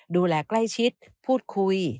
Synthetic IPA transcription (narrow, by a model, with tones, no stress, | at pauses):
duː˧lɛː˧kla˥˩jt͡ɕʰi˦˥t̪̚pʰuː˥˩t̪̚kʰu˧j